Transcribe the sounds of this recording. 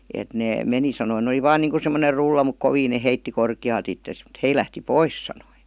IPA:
et neː meni sɑnoĭ ne oli ʋɑːn niːŋku semːoner rulːɑ muk koʋiːn ne heitːi korkiɑːlt itːes m̩t hei læhti pois sɑnoi

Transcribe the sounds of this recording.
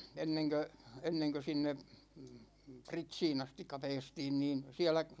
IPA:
enːeŋkø enːeŋkø sinːe pritsiːn ɑstikːɑ pɛːstiːn niːn siælæ

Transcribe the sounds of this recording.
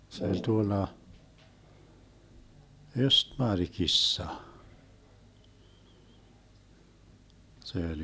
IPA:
se olʲ tuolːɑ østmɑrkisːɑ se olʲ

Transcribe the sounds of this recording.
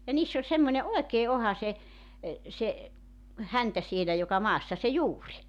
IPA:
jɑ niːsː olʲ semːonʲe oekeː ohɑ se se hæntæ sielæ jokɑ mɑːsːɑ se juːri

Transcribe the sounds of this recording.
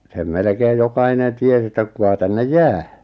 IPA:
sem melĕkeːj jokɑinen ties etːæ kukɑ tænːej jæː

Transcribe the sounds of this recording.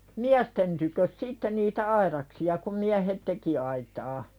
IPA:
miæsten tykøs sitːe niːtæ ɑiɾɑksiɑ kum miæhet teki ɑitɑː

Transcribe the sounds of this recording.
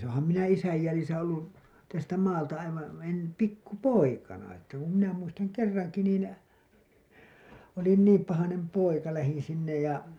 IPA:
oːhɑm minæ isæj jælisæ olːu tæstæ mɑːltɑ ɑiʋɑ̃ː en pikːu poikɑnɑ etːæ ku minæ muistɑŋ kerːɑŋki niːn olin niːm pɑhɑnem poikɑ læhin sinːej jɑ

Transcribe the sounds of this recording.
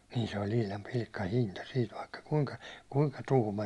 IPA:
niːn se olʲ ihlɑm pilkːɑhintɑ siːt ʋɑikːɑ kuŋkɑ kuŋkɑ tuhmɑ

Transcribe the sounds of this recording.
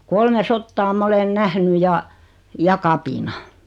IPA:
kolme sotːɑː mɑ olen næhny jɑ jɑ kɑpinɑ

